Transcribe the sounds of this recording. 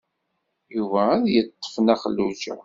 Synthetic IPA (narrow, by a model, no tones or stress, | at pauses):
juvææðjət̪ˤːə̥fnæχəlːud͡ʒæ̰